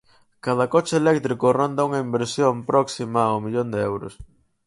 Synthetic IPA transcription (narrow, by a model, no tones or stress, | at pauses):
kað̞ɐkɔt͡ʃeelɛkt̪ɾikʊrond̪auŋɐimbeɾsjompɾɔksimaawmiʎond̪eɛwɾʊ̰s